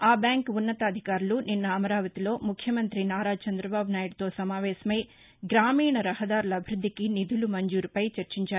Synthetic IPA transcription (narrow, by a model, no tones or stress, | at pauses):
aːbjaːŋkunːɐt̪ɐːd̪ʱikaːɾuluninːɐːmɐɾaːʋɐt̪ilo̞ːmukʰjɐmɐnt̪ɾinaːɾaːt͡ʃɐnd̪ɾɐbaːbunaːjuɽt̪o̞ːsɐmaːʋɛːsɐmej | ɡɾaːmiːɳɐɾɐhɐd̪aːɾulɐɐbʱiɾud̪ʱːikinid̪ʱulumɐɲd͡ʒuːɾupɐjt͡ʃɐɾt͡ʃiɲt͡ʃaːɾu